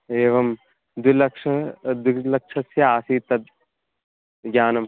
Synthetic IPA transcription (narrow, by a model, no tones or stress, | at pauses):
eːʋɐm | d̪ulɐkʂɐd̪ulɐk̚ʃʰɐsjɐaːsiːt̪ɐd̪̚ | ɡʲaːnɐm